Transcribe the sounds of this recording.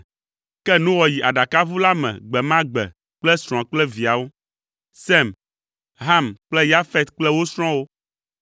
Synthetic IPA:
kɛ˦nũ˦wɔ˨ji˨ʔa˨ɖa˨ka˦vu˦la˦mɛ̰̃˨ɡ͡bɛ˨mã˦ɡ͡bɛ̰˨ | k͡plɛ˦sɾ̃ɔ̃˨k͡plɛ˦vi˨a˨wo˦ | sɛ˦˨m | ɦa˦˨mk͡plɛ˦ja˦fɛ˦t̪k͡plɛ˦wo˦sɾ̃ɔ̃˦wo˦

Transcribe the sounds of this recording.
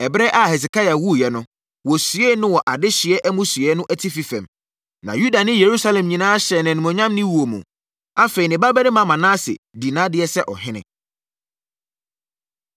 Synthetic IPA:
ɛ˨bɾɛ˦ʔa˦hɛ˨s̬ɪ˨kʰa˦ja˨wu˦˨jɛ˨nʊ̃˦ | wɔ˨sɥɛ˦nʊ̃˦wɔ˨ʔa˨dɪ˦ɕɪ˨ɛ˦ʔɛ˦mũ˦sɥɛ˦nʊ̃˦ʔɛ˦tʰi˦fi˦fɛ̰̃˨m | nã̰˨ju˦da˨nɪ̃˦je˨ɾu˦sa˦lɛ̃˨mɲĩ˨nãː˦ɕɛ˨nɪ̃˨nũ˨mɔ̃˨ɲã˦mnɪ̃˦wu˨o˨mṵ̃˨ | a˦fe˨i˨nɪ̃˨ba˦bɛ˦ɾɪ̃˦mã˨˦mã˨nãː˦sɪ̰˨di˨nãː˦dɪ˦ɛ˦sɛ˦ʔɔ˨ɦɪ̃˦nɪ̰̃˨

